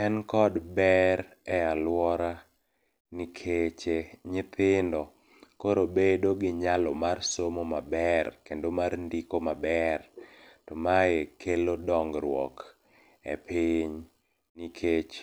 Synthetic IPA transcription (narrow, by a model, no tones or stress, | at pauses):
ɛnkɔdbɛɾ | ɛalwɔɾa | nikʰet͡ʃeɲɪt̪ɪndɔ | koɾobedoɡɪɲalɔmarsomomabɛrkendomarndikomabɛrtɔmajekʰelodɔŋɡɾwɔ̰k | ɛ̰piɲ | nikʰet͡ʃ